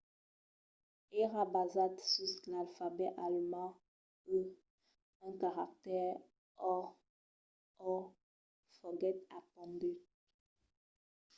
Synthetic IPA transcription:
eʁabazatsyslalfabɛʔalmɑ̃ | ə | ɛ̃kaʁak̚tɛʁ | ɔ | ɔ | fɔɡɛt̚apɔ̃ndy

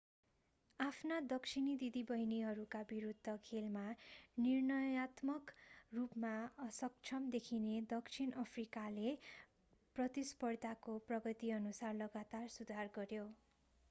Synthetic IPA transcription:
apʰnad̪ʌkt͡sʰinid̪id̪ibʌjniɦʌɾukabiɾud̪ʱːʌkʰelmanirnʌjat̪mʌkrupmaʌsʌk̚t͡sʰʌmd̪ekʰined̪ʌkt͡sʰinʌpʰrikale | prʌt̪ispʌrt̪akoprʌɡʌt̪iʌnusarlʌɡat̪arsud̪ʱarɡʌɾjo

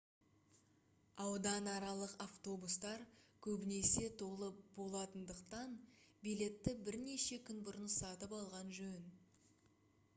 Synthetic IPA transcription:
ɑwd̪ɑnɑɾɑlˠəqaft̪o̞bust̪ɑɾkʲʰɵbɪne̞se̞t̪ʰo̞lˠəbo̞lˠɑt̪ənd̪əqt̪ɑnbijle̞t̪ːɪbɪɾne̞ʃe̞kʲʰʏnbʊɾənsɑt̪əpɑlˠʁɑnʒɵn

